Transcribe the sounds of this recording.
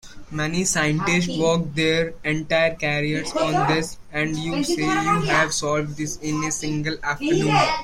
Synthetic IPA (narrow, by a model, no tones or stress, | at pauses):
mɛnisãɪɪ̃ɳʈɪsʈʋɔːkd̪eːɾẽɳʈaɪəɾkæɾiəɾsɔ̃ːnd̪ɪs | ɛ̃ɳɖjuːseːjuːɦæʋsɔːlʋɖd̪ɪsɪ̃nesɪ̃ŋɡəlæːfʈəɾnũːn